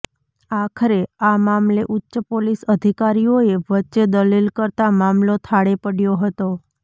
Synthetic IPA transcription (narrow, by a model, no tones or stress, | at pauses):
akʰəɾeamamleʔutːʃəpolisəd̪ʱikaɾijoeʋətːʃed̪əlilkəɾt̪amamlot̪ʰaɽepəɽjoɦət̪o